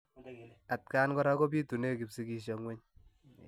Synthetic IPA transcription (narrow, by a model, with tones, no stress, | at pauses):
a˨t̚ka˦nkɔ˦ɾa˦ko˦biː˦tu˨ne˦ki˨psi˦ki˦ʃ̬ɔ˨ŋwe˦ɲ